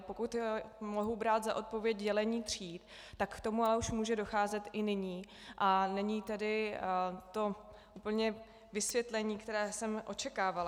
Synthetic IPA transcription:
po̞kut̪mo̞ɦubɾaːt̪zaʔo̞t̪̚po̞vjɛcɟɛlɛɲiːt̪r̝̥iːt̪ | t̪akːt̪o̞mualɛuʃmuːʒɛdo̞xaːzɛt̪ɪnɪɲiː | ʔanɛɲiːt̪ɛdɪ | t̪o̞ | ʔupl̩ɲɛ | vɪsvjɛt̪lɛɲiːkt̪ɛɾɛːsɛmʔo̞t͡ʃɛkaːvala

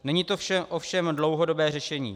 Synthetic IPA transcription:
nɛɲiːt̪o̞fʃɛʔofʃɛmdlowɦodo̞bɛːrɛʃɛɲḭː

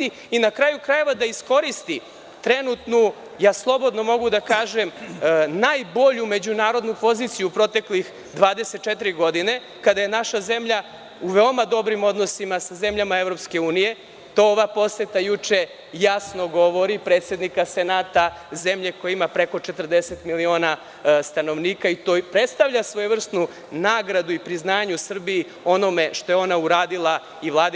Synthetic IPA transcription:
t̪i | inakɾajukɾaje̞ʋad̪aisko̞ɾist̪i | t̪ɾenut̪nu | jaːslˠo̞bo̞d̪no̞mo̞ɡud̪akaːʒemnajbo̞ʎume̞d͡ʑunaːɾo̞d̪nupo̞ziːt̪sijupɾo̞t̪e̞klix | d̪ʋaːd̪e̞set̪̚t͡ʃɛt̪iɾiɡo̞d̪ine̞ | kad̪ajenaʃaze̞mʎa | uʋeomad̪o̞bɾimo̞d̪no̞simasaze̞mʎamaevɾo̞pske̞uːnije̞ | t̪ooʋapo̞set̪ajut͡ʃe̞ | jasno̞ɡo̞ʋo̞ɾipɾet̪sje̞d̪nikasenaːt̪aze̞mʎe̞ko̞jeimapɾe̞ko̞t͡ʃet̪r̩d̪eset̪milio̞ːna | st̪ano̞ʋniːkait̪oːpɾe̞t̪st̪aʋʎasʋo̞jeʋr̩st̪nu | naːɡɾad̪uipɾiznaːɲusr̩biː | o̞no̞me̞ʃt̪o̞jeo̞nauɾaːd̪ilˠa | iʋlˠaːd̪

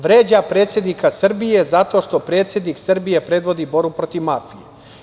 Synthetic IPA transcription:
ʋɾeːd͡ʑapɾe̞ːt̪sjed̪nikasr̩bijezat̪o̞ːʃt̪o̞pɾeːt̪sje̞d̪niksr̩bije̞pɾe̞d̪ʋo̞d̪ibo̞ɾbupɾo̞t̪iʋmafije

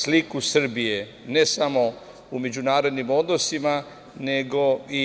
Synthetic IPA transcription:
slikusr̩bije | ne̞samo̞ | ume̞d͡ʑunaːɾo̞d̪nimo̞d̪no̞sima | ne̞ɡo̞i

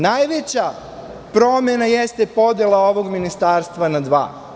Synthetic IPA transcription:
najʋet͡ɕa | pɾo̞menajest̪epo̞d̪jelˠao̞ʋoɡminist̪aːɾst̪ʋanad̪ʋa̰ː

